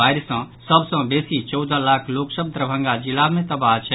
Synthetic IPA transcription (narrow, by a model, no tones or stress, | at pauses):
aːɾisə̃ | səbsə̃beːsit͡ʃɔwd̪ʱãlaːkʰloːksəb̚d̪ɾəbʱə̃ŋɡad͡ʒilamẽt̪ɐbaːt͡ʃʰɛ